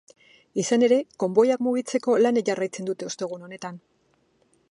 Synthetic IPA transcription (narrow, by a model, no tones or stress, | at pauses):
isane̞ɾe̞ko̞mbo̞jakmuɣ̞it͡se̞ko̞laneʝarajt͡se̞nd̪ut̪e̞o̞st̪e̞ɣ̞uno̞ne̞t̪an